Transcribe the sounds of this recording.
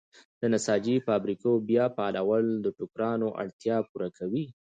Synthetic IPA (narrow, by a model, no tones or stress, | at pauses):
d̪̥ənasɑd͡ʒifɑbɾikobjɑpɑlawəld̪əʈʊkɾɑnoʔa̰ɽt̪jɑpuɾakʰawi